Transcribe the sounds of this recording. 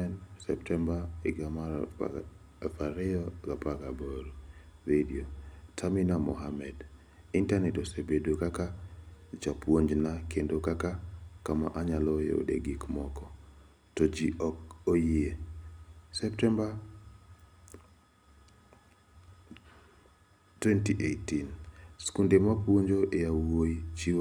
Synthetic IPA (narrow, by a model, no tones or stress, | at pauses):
ɛnsɛptɛmbaiɡamaɾ | faɾɛɔɡapakaboɾoɾediotʰaminamɔ̰ɦamɛd | intanɛtosebedokakad͡ʒapwoɲd͡ʒnakendokakakama̰ʔaɲalɔjḛo̰dḛɡikmɔkɔ | tod͡ʒiɔkojɪe | sɛptɛmba | twɛntiʔetinskundemapwoɲd͡ʒoʔejawoit͡ʃi